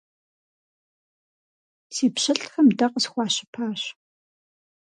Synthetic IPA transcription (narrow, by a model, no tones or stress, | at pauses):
siːpɕɐɬxɐmdɐqəsxʷɑːɕɪ̥pʰaːɕ